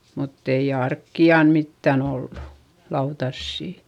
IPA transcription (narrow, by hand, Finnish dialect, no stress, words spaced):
mutː ei ɑrkːiɑn mitːæn olːu lɑutɑsːiˑ